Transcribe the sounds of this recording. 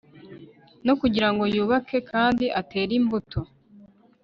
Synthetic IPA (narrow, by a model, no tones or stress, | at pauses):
no̞kuɟiɾaŋɡo̞juːβakʰe̞kʰaːndiʔate̞ːɾimbutʰo